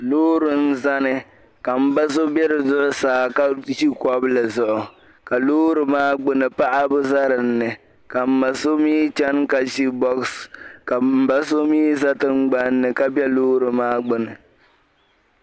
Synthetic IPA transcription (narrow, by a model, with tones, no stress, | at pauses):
loː˦ɾɨ˦n̩˦za˦nɨ˨ | ka˨m̩˦ba˦so˦bɛ˦ɾɨ˨zʊ˦ʔʊ˦saː˨˦ka˦ʒi˦kɔ˦bla˨zʊ˨ʔʊ˨ | ka˨loː˦ɾɨ˨maː˦ɡ͡bɨ˦nɨ˨pa˦ʔa˦bʊ˦za˦ɾɨ˨n̩ːɨ˨ | ka˨m̩˨ma˨so˦miː˦t͡ʃɛ˦nka˨ʒi˦bɔ˦kska˨m̩˨ba˦s̬o˦miː˦za˦tɨ˦ŋ͡mɡ͡ba˦n̩ːɨ˨ka˦bɛ˦loː˦ɾɨ˨maː˦ɡ͡bʊ˨nɨ˨